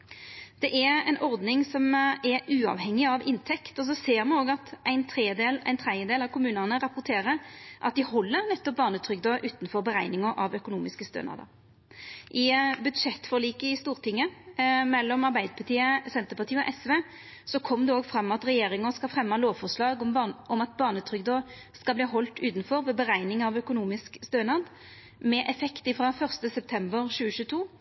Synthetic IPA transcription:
d̪̥ɛʔɛɾæɪnʔɔʁd̪nɪŋsɔmɛɾʉːɑ̰ʋhɛŋːɪɑʋɪnt̪ʰɛkt̪ɔs̬ɔseːʁmɑnoːɡɑt̪ʔæɪnt̪ʰʁeːd̪eːlæ̰ɪnt̪ʰʁɛd̪jəd̪eːlɑʋkʊmʉːnənəɾɑpʊʁt̪ʰeːɾəʔɑ̰t̪̚d̪ɪhɔlːəɾnɛt̪ːɔp̚bɑːʁnət̪ʰʁʏɡd̪ɔʔʉːt̪n̩fɔʁbəʁæɪnɪŋəʔɑʋœkʊnuːmɪskəst̪ø̰ːnɑ̰d̪ɑ̰ | ʔɪbʉd̪ʂɛt̪ːfɔʁliːkəɪst̪uːʁt̪ʰɪŋːəmɛlːɔmɑʁbæɪd̪əpʰɑʁt̪ʰiːəsɛnt̪əpɑʁt̪ʰiːəɔʔɛsʋeː | sɔkʰɔmd̪ɛoːɡfʁɑmːɑt̪ʁɛjeːɾɪŋənskɑfʁɛmːəloːʋfɔʁslɑːɡɔʔɔmɑt̪̚bɑːʁnət̪ʰʁʏɡd̪oː | skɑbliːɦɔlt̪ʉːt̪n̩fɔʁʋɛːbəʁæɪnɪŋɑʋœkʊnuːmɪskst̪øːnɑd̪ | mɛʔɛfɛkt̪ɪfʁɑːfœʁst̪əsɛp̚t̪ʰɛmbəʁɕʉːəʃʉːt̪ʰuː

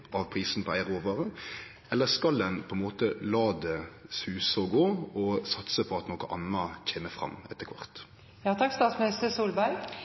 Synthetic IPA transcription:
ɑʋpʰʁiːsn̩pʰɔæɪʁoːʋɑʁə | ɛlːəskɑld̪ɛnpʰɔɛnmoːt̪əlɑːd̪ɛsʉːsəɔɡoːɔsɑt̪səpʰɔɑt̪nokəʔɑ̰nːɑc͡çʰeːməfʁɑ̰mːɛt̪ːəkʰʋɑ̰ʁt̪ | jɑːt̪ʰɑkst̪ɑːt̪smɪnɪst̪əɾsuːlbæɪ

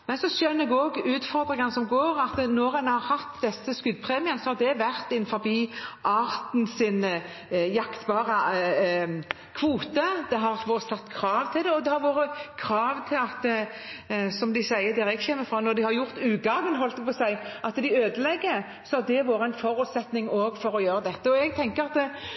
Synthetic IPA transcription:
mɛnsɔsœnːəɛɡɔɡʉːt̪fɔɾd̪ɾɪŋɑnəsɔmɡoːɾɑt̪nɔɾɛnhɑɾhɑt̪d̪ɛsːəskʉɡ̪pʰʁeːmɪənəsɔhɑɾd̪ɛʋæʁt̪ɪnfɔɾbiːʔɑːɾt̪n̩sɪn | jɑkt̪bɑːʁə | kʰʋuːt̪əd̪ɛɦɑʋoːɾəsɑt̪ːkʰɾɑːʋt̪ʰɪld̪ɛɔd̪ɛhɑɾʋoːɾəkʰɾɑːʋt̪ʰɪlɑt̪ | sɔmd̪ɪsæɪəd̪æːɾɛɡçɛːmːəfʁɑːnɔɾd̪ɪhɑɾjʊɾt̪ʉːɡɑɡənɦɔlt̪əpʰɔsæɪʔɑt̪d̪ɪøːd̪əlɛɡːə | sɔhɑd̪ɛʋoːɾəæɪnfɔɾʉːt̪sɛt̪nɪŋoːɡfɔɾɔjøːɾəd̪ɛt̪ːəɔɛɡ̚t̪ʰɛŋkəɾɑt̪ɛ

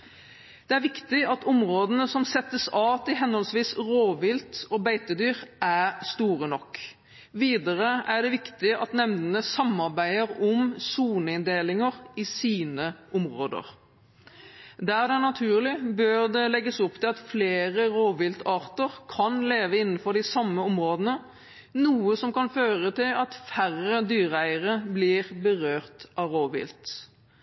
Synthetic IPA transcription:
d̪̥ɛæɾʋɪkt̪ɪɑt̪ʰʊmʁoːd̪ənəsɔmsɛt̪ːəsɑːt̪ɪɦɛnhɔlsʋiːsʁoːʋɪlt̪ɔːbæɪt̪əd̪yːʁʔæst̪uːʁənɔkː | ʋiːd̪əʁəʔæɖ̪ɛʋɪkt̪ɪɑt̪nɛmnd̪ənəsɑmɑʁbæɪəʁɔmsuːnəɪnd̪eːlɪŋəʁɪsiːnəʔʊmʁo̰ːd̪ə̰ʁ | d̪æʁd̪ɛnɑt̪ʰʉːʁlɪbøʁd̪ɛlɛɡːəsɔpt̪ʰɪlɑt̪fleːʁəɾoːʋɪlt̪ʰɑːʁt̪əʁkʰɑnleːʋəɪn̩ːfɔɾɖ̪ɪsɑmːəɔmʁoːd̪ənə | nuːəsɔmkɑnføːʁət̪ɪlɑt̪færəd̪yːʁəæɪəʁəblɪʁbəʁøːʁt̪ʔɑʋɾoːʋɪ̰lt̪

